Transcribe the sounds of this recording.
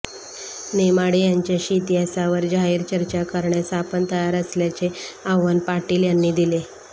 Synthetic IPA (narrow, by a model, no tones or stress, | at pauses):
nemaɽejaɲt͡ɕjaɕit̪iɦasaʋəɾd͡ʑaɦiːɾt͡ɕəɾt͡ɕakəɾɳjasapənt̪əjaɾəsljat͡seaʋənpaʈiːljanːiːd̪ile